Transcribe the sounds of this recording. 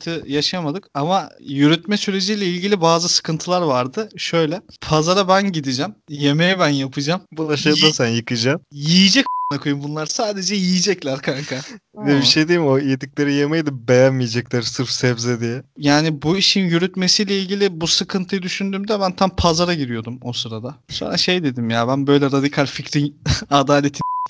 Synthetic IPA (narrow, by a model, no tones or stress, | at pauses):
t̪ʰɯjaʃaamad̪ɯkamajyɾyt̪mɛsyɾe̞d͡ʒijlʲɛilʲɟʲilʲibaːzɯsɯ̥kʰɯnt̪ʰɯlˠaɾvaɾd̪ɯʃø̞jlʲɛpʰazaɾabænɟid̪id͡ʒɛmjemejɛbænjapʰɯd͡ʒambulˠaʃajd̪asænjɯkɯd͡ʒamjijid͡ʒɛcanakʰojumbunˠaɾsaːd̪e̞d͡ʒɛjijid͡ʒɛclʲæɾkʰankʰavɛbiʃejd̪ejimojed̪icʲlʲeɾijemejd̪ɯbejænmijed͡ʒɛclʲæɾsɯɾfsɛvzɛd̪ijɛjaːnibuiʃinjyɾyt̪me̞sijlʲɛilʲɟʲilʲibusɯkʰɯnt̪ʰɯjɯd̪yʃynd̪yːmd̪ɛbænt̪ʰampʰazaɾaɟiɾijo̞d̪umosɯɾad̪asonɾaʃe̞jd̪e̞d̪imjaːbænbø̞jlʲɛɾad̪ikʰalʲficɾinad̪aːlʲe̞t̪ʰin